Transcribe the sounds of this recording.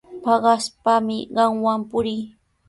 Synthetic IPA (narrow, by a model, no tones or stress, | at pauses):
pɑɢɑspamɪɢɑŋwampʊɾɪː